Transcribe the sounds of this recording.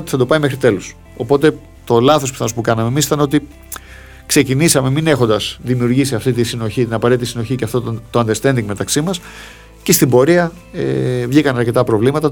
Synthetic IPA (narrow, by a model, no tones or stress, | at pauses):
ot̪i̥θɐd̪o̞pɐimexɾit̪e̞los | o̞po̞t̪e̞ | t̪o̞lɐθospiθɐno̞spukɐnɐmemisi̥t̪ɐno̞t̪i | kse̞cinisɐme̞mine̞xo̞nd̪ɐsðimiuɾʝisiɐft̪it̪isino̞çit̪inɐpɐet̪it̪isino̞çiceɐft̪ot̪oɐnd̪est̪e̞nd̪iŋɡme̞t̪ɐksimɐs | cest̪imbo̞ɾiɐ | ḛvʝikɐnɐɾce̞t̪ɐpɾo̞vlimɐt̪ɐ